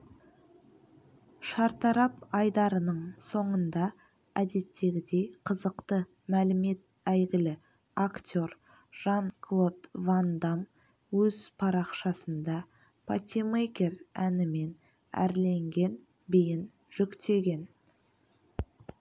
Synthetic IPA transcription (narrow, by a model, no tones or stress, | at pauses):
ʃɑɾt̪ɑɾɑpɑjd̪ɑɾənəɴso̞ɴənd̪ɑ | æd̪e̞t̪ːe̞ɡʲɪd̪e̞jqʰəzəqt̪ə | mælɪme̞t̪ | æjɡʲɪlɪ | akt̪ʲo̞ɾ | ʒ̥ɑŋkʰlˠo̞t̪vand̪am | wɵzpʰɑɾɑqʃɑsənd̪ɑ | pʰat̪ʲimekʲe̞ɾænɪme̞n | æ̰ɾle̞ŋɡʲe̞n | bejɪn | ʒ̥ʏkt̪ʰe̞ɡʲe̞n